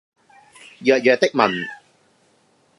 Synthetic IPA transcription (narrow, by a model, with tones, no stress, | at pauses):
jœː˨˩t̚jœː˨t̪ɪ˥k̚mɐ̰˨˩n